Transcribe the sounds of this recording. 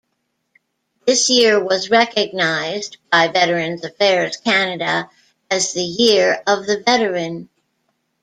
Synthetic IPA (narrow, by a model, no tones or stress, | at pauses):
ðɪsjɪɹwʌzɹɛkɨɡ̚naɪzb̥aɪvɛɾə˞ɨ̃nzɨfɛɹɨz̥kʰænɨɾə | ɨzðɨjɪɹʌvðɨvɛɾə˞ɨ̃n